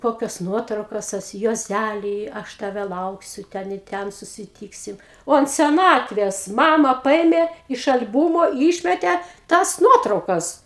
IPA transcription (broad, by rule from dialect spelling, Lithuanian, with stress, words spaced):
ˈkoːkʲoːs ˈnuɔtrɐʊkoːs ˈsʊsʲɪ juɔˈzʲælʲiː ˈɐʃ tɐˈʋʲɛ ˈlˠɐʊksʲʊ ˈtʲɛn ɪ ˈtʲɛn sʊsʲɪˈtʲiːksʲɪm ˈoː ɐnt sʲɛˈnɑːtʲʋʲeːs ˈmɑːmɐ ˈpɐeːmʲeː ɪʃ ɐlʲˈbʊmoː ˈiːʃʲmʲɛtʲɛ ˈtɐs ˈnuɔtrɐʊkɐs